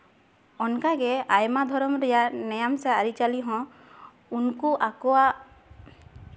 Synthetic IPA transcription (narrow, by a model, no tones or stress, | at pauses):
ɔnkaɡɛajmad̪ʱɔɾɔmɾɛjanɛjamsaːɾit͡ʃaliɦɔ̃ | unkuʔakɔwa